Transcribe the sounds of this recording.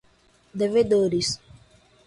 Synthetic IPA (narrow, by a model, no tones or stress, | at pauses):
d̪eved̪oɾis